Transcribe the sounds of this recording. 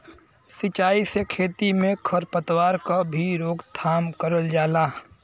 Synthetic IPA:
sɪt͡ʃaːisekʰeːt̪imẽkʰəɾpət̪waːɾkabʱiɾoːɡt̪ʰaːmkəɾəld͡ʒaːlaː

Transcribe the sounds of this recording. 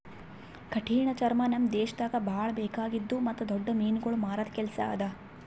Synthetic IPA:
kɐʈʰiːɳɐt͡ʃɐɾmɐnɐmd̪eːʃɐd̪aɡɐbʱaːɭɐbeːkaːɡid̪ːumɐt̪ːud̪ɔɖːɐmiːnuɡɐɭumaːɾɐt̪kɛlsɐ̰ːd̪ɐ

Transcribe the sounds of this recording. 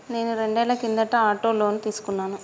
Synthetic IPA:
ne̞ːnuɾe̞ɳɖɛːlɐkind̪ɐʈːɐaːʈoːloːnit̪iːsu̥kunːaːnu

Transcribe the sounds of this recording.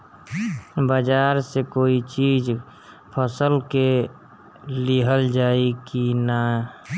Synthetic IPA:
bəd͡ʒaːɾsekoːit͡ʃiːd͡ʒ | pʰəsəlke | liɦəld͡ʒaːikina

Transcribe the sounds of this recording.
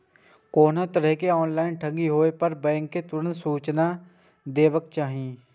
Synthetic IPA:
koːnõt̪əɾəɦkeɔːnlaːɪnʈʰə̃ŋɡiɦoːepəɾbɛ̃ːŋkːet̪ʊɾə̃nt̪suːt͡ʃna | d̪eːʋəkt͡ʃaːɦieː

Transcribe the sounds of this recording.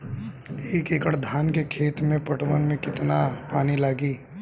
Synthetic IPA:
eːkeːkəɽd̪ʱaːnkekʰeːt̪mẽpɐʈʋənmẽkɪt̪napaːnilaːɡiː

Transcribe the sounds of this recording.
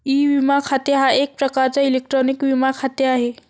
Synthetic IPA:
iːʋimakʰat̪jəɦaek̚pɾəkaɾt͡sailek̚ʈɾɔnikʋimakʰat̪jəaɦe

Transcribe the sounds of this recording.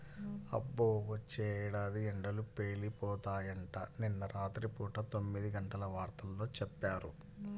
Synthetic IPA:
ɐ̰bːoːʋɐt͡ʃːɛːɽaːd̪iɛɳɖɐlupeːlipɔːt̪aːjɐɳʈɐninːɐɾʔaːt̪ɾipuːʈɐt̪omːid̪iɡɐɳʈɐlɐʋaːɾt̪ɐlːo̞ːt͡ʃɛpːaːɾṵ

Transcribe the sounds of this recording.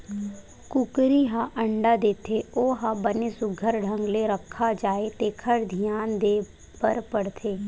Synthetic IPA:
kʊkɾiɦaʔə̃ɳɖad̪eːt̪ʰeoːɦãbənesʊɡʱəɾɖʱə̃ŋɡleɾəkʰːad͡ʒaːet̪eːkʰəɾd̪ʱijaːnd̪eː | pəɾpəɽt̪ʰeː

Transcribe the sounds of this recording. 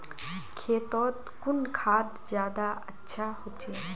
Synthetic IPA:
kʰeːt̪ɔːt̪kʊnkʰaːt̪d͡ʒjaːd̪aətːʃʰahot͡ʃʰe

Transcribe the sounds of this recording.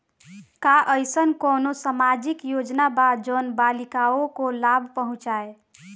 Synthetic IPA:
kaʔəjsənkonosamad͡ʒikjod͡ʒnabad̪d͡ʒonbalikaokolabʱpəɦũt͡ʃae

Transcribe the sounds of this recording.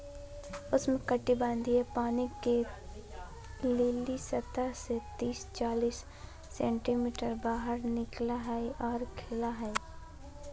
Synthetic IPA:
ʊsmẽkəʈːibãːnd̪iɦepaːnike | leːlisɐt̪aset̪iːst͡ʃaːliːsː | ɛ̃ːɳʈimiːʈəɾbaːɦəɾnɪklaɦɛʔɔːɾkʰɪlaɦɛ

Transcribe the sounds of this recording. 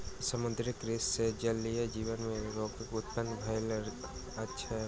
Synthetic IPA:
səmʊ̃d̪ɾɪkɾessed͡ʒɐlːijad͡ʒiːʋənmẽɾoːɡkʊt̪̚pənbʱajl | ɐtːʃʰa

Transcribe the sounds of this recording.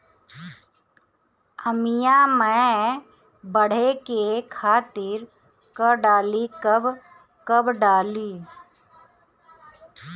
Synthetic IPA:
əmɪjamɛ̃ | bəɽ̤ekekʰaːt̪ɪɾ | kəɖaːlikəb | kəbɖaːliː

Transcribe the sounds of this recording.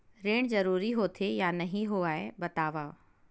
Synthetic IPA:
ɾeːɽ̃zɐɾuːɾiɦoːt̪ʰejaːnɐɦĩɦoaːebɐt̪aːʋaː

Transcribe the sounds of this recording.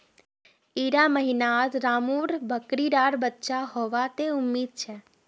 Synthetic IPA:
iɾaməɦinad͡ʒɾamuɾbʱəkɾiɖaɽbətːʃaɦɔʋat̪eumːid̪̚t͡ʃʰe

